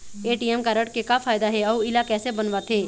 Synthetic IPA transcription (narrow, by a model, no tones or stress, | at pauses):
eːʈiɛmkaɾəʈkekafʰaːjd̪aɦɛɔːuɪlakɛːsebənʋat̪ʰeː